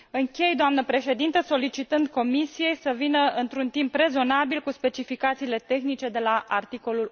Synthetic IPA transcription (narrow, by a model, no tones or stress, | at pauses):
ɨŋkʲe̞jd̪oamnəpɾe̞ʃe̞d̪int̪əso̞lit͡ʃit̪ɨnd̪̚ko̞misije̞jsəvinəɨnt̪ɾunt̪impre̞zo̞nabilkuspe̞t͡ʃifikat̪siːle̞t̪e̞xnit͡ʃe̞d̪e̞laʔa̰rt̪iko̞lul